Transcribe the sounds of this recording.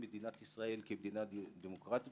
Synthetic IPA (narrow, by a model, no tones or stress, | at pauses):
med̪inat̪isʁaʔelkebd̪inad̪imokʁat̪